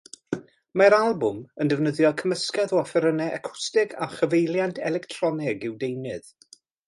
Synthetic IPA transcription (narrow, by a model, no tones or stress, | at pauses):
maɾalˠbʊməndɛvnəðjɔkʰəməskɛðɔafɛɾənɛʔakʰʊ̥stɪɡaχəvejlˠjantʰɛlˠɛktʰrɔnɪɡɪwdejnɨð̥